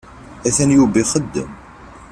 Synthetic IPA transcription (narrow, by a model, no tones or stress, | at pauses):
æθænjubiχəd̪ːə̰m